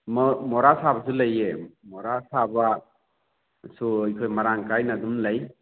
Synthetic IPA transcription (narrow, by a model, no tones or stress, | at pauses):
mmɔɾasabas̬ulajemɔɾasaba | sujkʰojmaɾaŋkajnadumlaj